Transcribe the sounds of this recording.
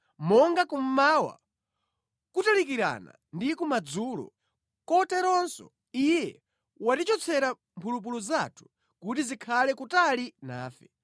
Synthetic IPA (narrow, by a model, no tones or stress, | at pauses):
mɔŋɡakum̩mawa̰ | kutalik̬iɾa̰na̰ | ndikumad͡zuːlɔ̰ | kɔtɛɾɔnsɔ̰ | ijɛ | watit͡ʃɔt͡sʰɛɾa | mpʰulup̬uluzatʰu̥ | kutizikʰalɛkutalina̰ːfɛ